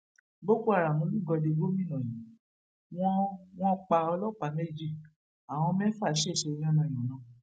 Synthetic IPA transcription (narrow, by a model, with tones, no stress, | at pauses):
bo˦ko˦a˦˨ɾa˨mũ˨˦mĩ˦˨ɡɔ˧de˧ɡo˦mĩ˦˨nã˨jĩ˨˦ | w̃ɔ̃˦w̃ɔ̃˦k͡pa˧ɔ˧lɔ˦˨k͡pa˧me˦d͡ʒi˦˨ | a˨w̃ɔ̃˧mɛ̃˦fa˦˨˦ʃe˦˨ʃe˧i˧j̃ɔ̃˦˨nã˧˨j̃ɔ̃˨˦nã˨˦˨